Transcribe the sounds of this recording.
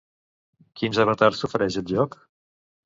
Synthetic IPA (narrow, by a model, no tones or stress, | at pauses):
kinzaβət̪aɾsufɾɛʒət̪ʒɔk